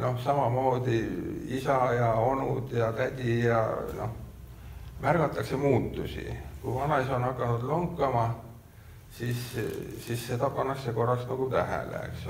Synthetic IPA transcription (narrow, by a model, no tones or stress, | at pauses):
no̞hsɑmɑmo̞ːd̪̥iisɑjɑo̞nud̪̥jɑt̪æd̪̥ʲijɑ̰no̞h | mærɡ̥ɑt̪ːˑɑkse̞muːt̪ːˑusḭkujvɑnɑiso̞nɑkːˑɑnud̪̥loŋkːˑɑmɑ | sissisːe̞t̪ɑpɑnːɑkseko̞rːɑksnɑɡ̥ut̪æɦæ̰lḛḛks